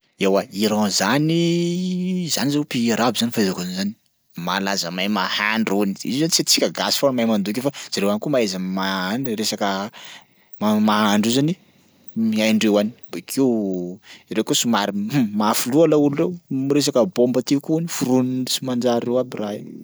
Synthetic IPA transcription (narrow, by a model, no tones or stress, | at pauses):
ewaiɾãzani | zanizepiaɾabizanifaezakanzani̥ | malazəmajmahaɳɖ͡ʐuniḭzozanit͡sat͡si̥kʲaɡasi̥fonmajmand̪uk̬ʲefaz̥aɾewanikumaezəmaanɾesakə | mamaaɳɖ͡ʐizani | miajɳɖ͡ʐewani̥bekʰiw | iɾewkusimaɾimafulualaulurewmiɾes̬akəbombət̪ikunifuɾununisimand͡ʒaɾewabira